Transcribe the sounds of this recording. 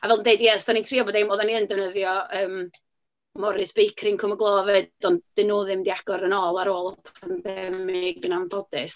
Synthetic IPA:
avɛlˠəndeɨdjɛsd̥anintʰriːɔbɔdɪmodaniəndɛvnəðjɔəːm | mɔɾɪsb̥ejkʰrɪŋkʰʊməɡlˠɔːvɛd̥ɔnd̥ɪnoːðɪmdiaɡ̥ɔɾənɔːlˠaɾoːlˠɔpʰanbɛmɪɡənambɔdɪs

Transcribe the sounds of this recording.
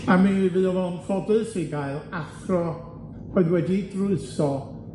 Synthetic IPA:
amɨvɨɔvɛnfɔdɨsiɡaɨlˠaθrɔ | roɨðwɛdidrʊɨsɔ

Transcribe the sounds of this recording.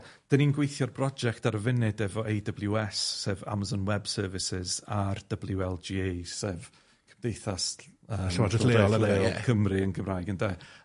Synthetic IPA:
d̥əninɡwejθjɔrbrɔd͡ʒɛktaɾəvɪnɪdɛvɔʔejdəblˠjuɛsːeːva̰mazɔnwɛbsəːvɪsɪzard̥əblˠjuɛlˠd͡ʒiːesev | kʰd̥ejθasəːwaəeɔlˠəlekʰəmriənɡəmraːjɡəndeː

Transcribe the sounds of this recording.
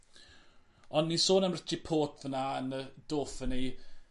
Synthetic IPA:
ɔnːisoːnəmrətʰipʰoːtʰðənaənəd̥oːfəni

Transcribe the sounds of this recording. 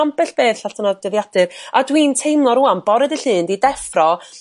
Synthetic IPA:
ampɛɬb̥eːθɬaɬtʰənɔd̥əðjad̥ɨɾadwiːntʰejmlˠɔɾuanbɔɾɛdɨɬɨːndidɛfrɔ

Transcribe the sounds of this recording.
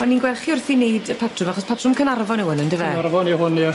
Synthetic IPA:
ɔninɡwɛlˠχiʊrθinejdəpʰatʰrʊmaχɔspʰatʰrʊmkʰənarvɔnɪwənəndɪvɛarvɔnɪwhʊni

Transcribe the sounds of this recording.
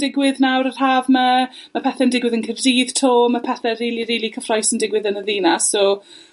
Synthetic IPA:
dɪɡwɪðnawɾər̥ɦaːvməmapʰɛθɛəndɪɡwɪðənkʰəvdiːðtʰoːmːəpʰɛθɛɾiːliɾiːlikʰəfrɔjsəndɪɡwɪðənəðiːnasoː

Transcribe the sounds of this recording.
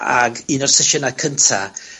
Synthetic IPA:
aɡinɔrsɪʃənakʰəntʰa̰

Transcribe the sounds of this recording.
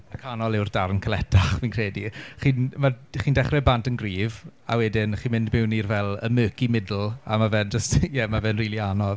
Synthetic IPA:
makʰanɔlˠɪwrdarnkʰəlɛtʰaχviːnkʰreːdiχiːnmaχiːndɛχrɛbantənɡriːva̰wɛdɪnχiːnmɪndmɪwnirvɛlˠə̰møːkimɪdl̩ˠa̰mavɛnd͡ʒəstjɛmavɛnriːlˠianɔð

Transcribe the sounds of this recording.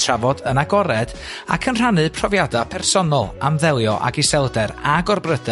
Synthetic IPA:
tʰravɔdənaɡɔɾɛd̥ | a̰kʰənr̥anɨpʰrɔvjadapʰɛrsɔnɔlˠamðɛlˠjɔʔa̰ɡisɛlˠdɛɾaɡɔrbrədə

